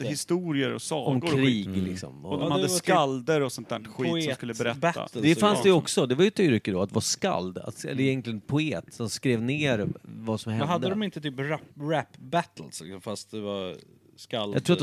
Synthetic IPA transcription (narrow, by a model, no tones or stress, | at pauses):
hɪst̪uːɾɪəɾɔ̰sɑːɔmkɾiːɡlɪksɔ̰mɔmdmadːəskald̪əɾɔsɔnt̪æːɳɧiːt̪sːskɵlːəbɛɾɛba̰ld̪ɛfansd̪ɛjəɔksɔd̪ɛvaɾjət̪ʰːyːɾʏkəd̪ɔat̪d̪ɛvaska̰ld̪a̰t̪ɛ̰lːəɾɛjɛnklɪənpʰʊeːt̪sɔmskɾeːvneːɾvasɔmhɛɛɦad̪əd̪ɔmɪnt̪ət̪ʰyːpɾapɾæpːbæt̪əlslɪ̰ksɔmfast̪̚d̪ɛva | skaljɑ̰t̪ʰɾuːa